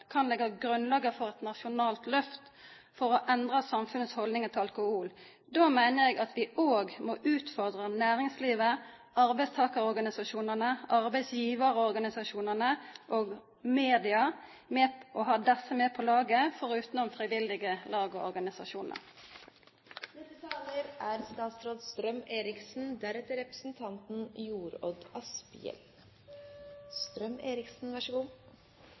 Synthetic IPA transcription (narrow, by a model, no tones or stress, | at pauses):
kʰɑnlɛɡːɑɡɾʉnlɑːɡəfɔʁɛt̪nɑʂʊnɑːlt̪lœft̪ | fɔʁɔʔɛnd̪ʁɑsɑmfʉnəshɔld̪ɪŋət̪ʰɪɑlkʊhuːl | d̪oːmæɪnəʁɛɡɑt̪ʋɪʔoːɡmoʔʉːt̪fɔʁd̪ʁɑnæːɾɪŋsliːʋə | ɑɾbæɪst̪ʰɑːkəʁɔʁɡɑnɪsɑʃuːnənəʔɑʁbæɪsjiːʋəʁəɔʁɡɑnɪsɑʂuːnənəʔoːɡ | meːd̪ɪɑ | meːʔɔɦɑːd̪ɛsːəmeːpʰɔlɑːɡəfɔʁʉːt̪nɔmfʁiʋɪld̪ɪɡəlɑːɡɔɔ̰ʁɡɑnɪsɑʃuːnə̰ʁ | d̪ɛt̪ːət̪ʰɑːləɾæɾst̪ɑːt̪sɾoːd̪st̪ɾœmeːɾɪksn̩d̪æɾɛt̪ːəɾɛpɾəsn̩t̪ʰɑnt̪n̩juːɾɔd̪ɑspɪ̰ɛ̰l | st̪ɾœmeːɾɪksn̩ʋæʂəɡuː